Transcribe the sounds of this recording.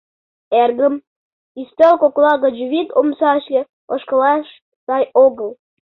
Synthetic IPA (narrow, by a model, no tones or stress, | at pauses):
erɣə̆m | ist̪elkoklɑɣə̆d͡ʑuβit̪omsɑɕlʲĕ | oʃkə̆lɑʃ | sɑjoɣəlˠ